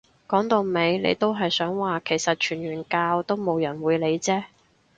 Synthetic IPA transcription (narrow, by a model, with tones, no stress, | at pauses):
kɔː˨˥ŋt̪o˨˧wme˨˧jnḛ˨˧jt̪o˥wɦɐ˨jsœː˨˥ŋwaː˨˩kʰe˨˩jsɐ˨t̚t͡ʃʰyː˨˩nɥyː˨˩nkaː˧wt̪o˥wmo˨˧wjɐ˨˩nwuː˨˧jle˨˧jt͡sɛː˥